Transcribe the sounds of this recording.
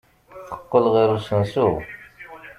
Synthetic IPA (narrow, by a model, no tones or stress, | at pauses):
θə̥qːəlʁiɾusənsu